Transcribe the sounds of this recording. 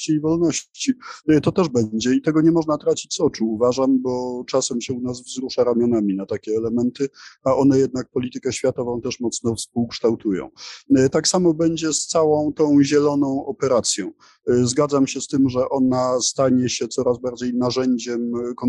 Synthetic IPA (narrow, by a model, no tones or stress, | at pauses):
t͡ɕiːvɔlnɔɕt͡ɕit̪ɔt̪ɛʐbɛɲd͡ʑɛit̪ɛɡɔɲɛmɔʐnat̪ɾat͡ɕit͡ɕsɔt͡ʂuːvaʐambɔt͡ʂasɛmɕɛunas̬vzɾuʂaɾamʲjɔnamʲinat̪akʲɛːlɛmɛnt̪ɘaʔɔnɛjɛd̪̚nak̚pɔlʲit̪ɘkɛɕfʲjat̪ɔvɔ̃w̃t̪ɛʂmɔt̪snɔfspuwkʂt̪awt̪ujɔ̰̃w̃t̪aksamɔbɛɲd͡ʑɛst̪sawɔ̃w̃t̪ɔ̃w̃ʑɛlɔnɔ̃w̃ʔɔpɛɾat̪sʲjɔ̃w̃ | zɡad̪zamɕɛst̪ɘmʐɛʔɔnast̪aɲɛɕɛt̪sɔɾazbaɾd͡ʑejnaʐɛɲd͡ʑɛmkɔn